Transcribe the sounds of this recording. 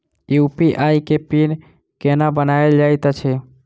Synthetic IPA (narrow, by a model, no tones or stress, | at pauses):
upiʔajkepin | kenabənaeld͡ʒajt̪ət͡ʃʰɛ